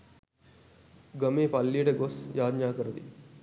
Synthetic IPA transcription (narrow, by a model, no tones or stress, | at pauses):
ɡəmeːpɐlːijəʈəɡosjaːd̪naːkəɾɐd̪ḭ